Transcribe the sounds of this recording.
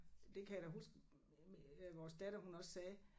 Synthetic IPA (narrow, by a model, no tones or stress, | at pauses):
d̥e̝kʰæjæd̥ɒɦusɡ̥ | ʋɒːsd̥æɾ̥ɐɦunɒ̽ssɛː